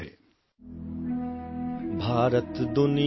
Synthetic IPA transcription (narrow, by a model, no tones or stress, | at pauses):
eː | bʱaːɾət̪d̪ʊni